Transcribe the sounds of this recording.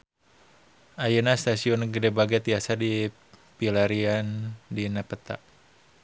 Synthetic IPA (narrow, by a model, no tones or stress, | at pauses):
ajunast̪asiɔnɡədɛbaɡat̪iasadi | pilaɾiandinapət̪a̰ʔ